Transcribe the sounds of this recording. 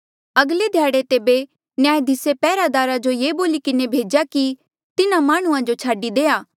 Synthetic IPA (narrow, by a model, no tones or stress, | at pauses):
ɐɡled̪ʱjaːɽet̪eːbe | njaːjd̪ɪsepɛːɾad̪aːɾad͡ʒojeːboːlikɪnebʱeːd͡ʒaki | t̪ɪnãmaːɽ̃ʊãd͡ʒot͡ʃʰaːɖid̪eːaː